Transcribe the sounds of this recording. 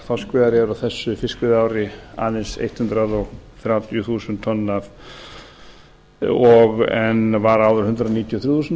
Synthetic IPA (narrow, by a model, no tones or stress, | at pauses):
faskvɛðaɾɛɾawθɛsːʏfɪskvɪðaːwɾɪa̰ːnɪnsḛjht̪hʏnt̪ɾaðɔɣθjawt̪jʏθuːsʏnt̪ʰːɔnːaθ | ɔɣɛnvaɾaːwðʏɾ̥hʏnt̪ɾaðniːt̪jɔθɾjuθuːsn